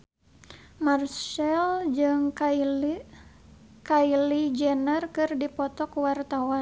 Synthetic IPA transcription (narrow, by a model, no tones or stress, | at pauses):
marsɛld͡ʒɨŋ | kailid͡ʒɛnərkɨrdipɔt̪ɔkuwart̪awan